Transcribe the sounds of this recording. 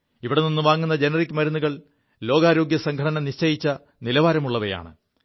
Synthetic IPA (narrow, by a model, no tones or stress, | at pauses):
iʋiɽeninːuʋaːŋːunːɐd͡ʑe̞nɐrikʲːmɐɾunːuɣɐɭ | lo̞ːɡaːɾo̞ːɡjɐsɐŋɡʱɐʈɐnɐmniʂt͡ɕɐjit͡ɕːɐ | nilɐʋaːɾɐmuɭːɐʋɐja̰ːɳɨ̰